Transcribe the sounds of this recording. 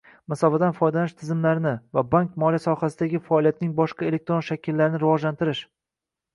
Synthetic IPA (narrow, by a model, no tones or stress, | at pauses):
mɪsɒfad̪anfɒjd̪alnɪʃt̪ʰɪzɪmlaɾɪnɪvabaŋkmɒlijasɒhasɪd̪aɡʲɪfaːlˠijat̪ɪnɪŋbɒʃqae̞le̞k̚t̪ɾonʃakʲʰɪlːaɾɪnɪɾɪvɒd͡ʒlant̪ʰɪɾɪʃ